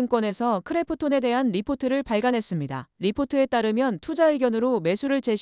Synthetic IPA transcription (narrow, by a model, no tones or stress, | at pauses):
ŋkwʌne̞sʰʌkʰɯɾe̞pʰɯtʰone̞de̞ɦanɾipʰotʰɯɾɯɭpaɭɡanɦe̞s͈ɯmɲida̰ɾipʰotʰɯe̞t͈aɾɯmjʌntʰud͡ʑaeɡjʌnɯɾome̞sʰuɾɯɭt͡ɕe̞ɕ